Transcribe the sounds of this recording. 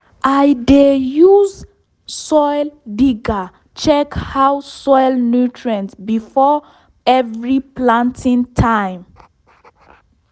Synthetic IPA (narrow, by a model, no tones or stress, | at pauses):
ʔajdejuz | sɔjldiɡa | t͡ʃɛkhawsɔjlnutʰɹɛ̃ntbifɔ | ɛvɹiplãntʰĩntʰãj̃m